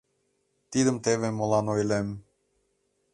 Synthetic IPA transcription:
t̪id̪əmt̪eβeməlɑnojlem

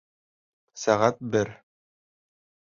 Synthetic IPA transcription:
sæʁæt̪̚bɘɾ

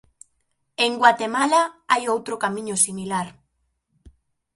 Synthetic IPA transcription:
eŋɡwat̪emalaajowt̪ɾokamĩɲosimilaɾ

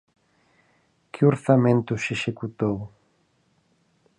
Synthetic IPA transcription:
kʰɪoɾθamẽnt̪ʊseʃekut̪ow

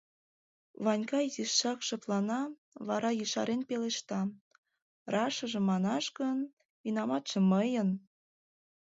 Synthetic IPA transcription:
βɑnʲkɑziʃːɑkʃɤ̆p̪lɑnɑ | βɑ̰ɾɑjəʃɑ̰ɾenpeleʃt̪ɑ | rɑʃɤ̆ʒĕmɑnɑʃɣən | inɑmɑt̪ʒĕməjən

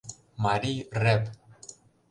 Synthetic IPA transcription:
maɾirɛp

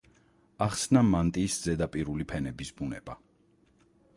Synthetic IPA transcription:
aχsnamant̪ʼiːsdz̥ɛd̪apʼiɾulipʰɛnɛbisbunɛba

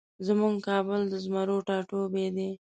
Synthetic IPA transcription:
zəmuŋɡkɑbəld̪əzmaɾoʈɑʈobed̪e

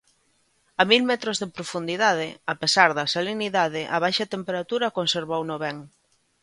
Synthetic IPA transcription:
amilmɛt̪ɾozðepɾofund̪iðað̞ɪapesaɾðɐsaleniðaðɪʔɐβajʃɐt̪empeɾat̪uɾɐkonseɾβownʊβɛŋ

